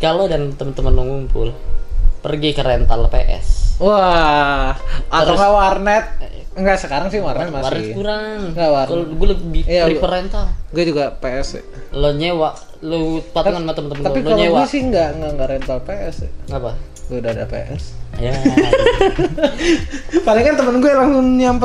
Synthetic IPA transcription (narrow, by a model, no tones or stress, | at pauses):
kalodant̪əmənt̪əmənloŋumpʊ̰lpərɡikəɾɛnt̪alpḛʔɛ̰swa | aəɾoŋɡawarnɛt̪̚ | ŋɡaʔsəkaɾaŋsɪhwarnɛt̪̚mawarnɛt̪kuɾaŋɡawarɡualəbijaipəɾent̪aɡuɛd͡ʒuɡapeɛsɛ̰ | loɲewaʔ | lopat̪ŋanmat̪əmənt̪əmənapiloaɲewasɪhŋɡaŋɡaŋɡaʔɾɛnt̪alpeʔɛsɛ̰ŋapa | ɡudada̰pḛʔɛ̰sja | paliŋkant̪əmənɡuɛlaŋɡʊnɲamp